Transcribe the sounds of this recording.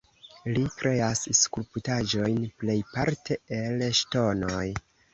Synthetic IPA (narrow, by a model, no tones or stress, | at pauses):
likɾʔe̞asskulputad͡ʒo̞jnple̞jpaɾtʰe̞elʃto̞noj